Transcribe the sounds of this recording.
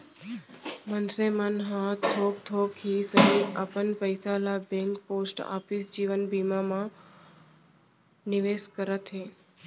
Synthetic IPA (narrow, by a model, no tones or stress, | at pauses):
mənsemənɦãt̪ʰok̚t̪ʰokɦisəɦiapənpəjsalabɛ̃ŋkposʈa̰fisd͡ʒiʋənbimamã | nɪʋeskəɾət̪ɦe